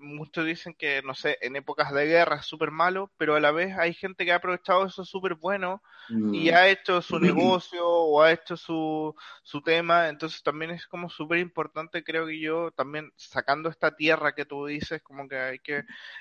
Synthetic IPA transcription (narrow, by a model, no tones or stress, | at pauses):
mut͡ʃozðise̞ŋke̞no̞se̞ʔene̞po̞kazðe̞ɣe̞raesːupe̞ɾmalo̞pe̞ɾoalaβ̞e̞sajxe̞nt̪e̞keaːpɾo̞βe̞t͡ʃaðoe̞sosupe̞ɾβwe̞no̞ | iae̞t͡ʃo̞suneɣo̞sjoːae̞t͡ʃo̞susut̪e̞maent̪o̞ns̬est̪ambje̞ne̞sko̞mo̞supe̞ɾimpo̞ɾt̪ant̪ekɾe̞okeʝo̞t̪ambje̞nsakand̪oest̪at̪je̞rake̞t̪uðise̞sko̞mo̞keajke̞